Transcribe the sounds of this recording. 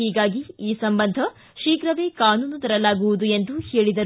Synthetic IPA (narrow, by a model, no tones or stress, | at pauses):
iːɡaːɡiiːsɐmbɐnd̪ʱɐ | ʃiːkɾɐʋeːkaːnuːnud̪ɐɾɐlaːɡuʋud̪ue̞nd̪uheːɭid̪ɐ